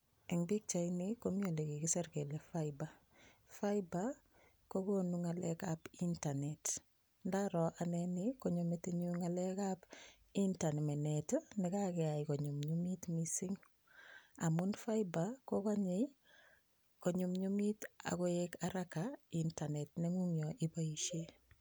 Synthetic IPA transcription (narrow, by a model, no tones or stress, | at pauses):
eŋbik̚t͡ʃainikomiolekikiseɾkelefajba | fajba | kokonuŋalḛkapintanet | ndaɾɔʔanenikoɲumeteɲuŋalekap | intanmenetnikakeaikoɲumɲumitmisiŋ | amunfajbakokaɲe | koɲumɲumita̰kojekaɾakaintanetneŋuŋjɔʔibaiʃe